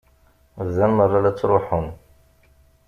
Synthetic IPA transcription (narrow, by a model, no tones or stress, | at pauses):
zːænmərˤːɑlæt͡sːɾˤoħʊn